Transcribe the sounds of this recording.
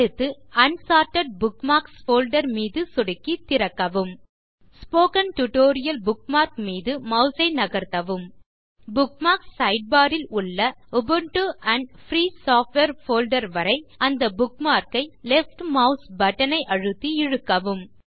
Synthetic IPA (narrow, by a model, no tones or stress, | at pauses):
ɯt̪ːɯɐnsaːɾʈɐɖ̚bʊkmaːksfoːlɖɐɾmiːðɯsɔɽɪkːit̪ːɪɾɐkːɐʋɯm | spoːkɐnʈʊʈoːɾɪjɐlbʊk̚maːɾkmiːðɯmɐʊsɐɪnɐɣɐɾt̪ɐʋɯm | bʊk̚maːɾksːɐɪɖ̚baːɾɪlʊɭːɐʊbɯɳʈuɐɳɖfɾiːsaːfʈʋeɾfoːlɖɐɾʋɐɾɐɪɐnd̪ɐbʊk̚maːɾkɐɪlɛfʈmɐʊsbɐʈːɐnɐɪʔɐɻɯt̪ːiɪɻɯkːɐʋɯm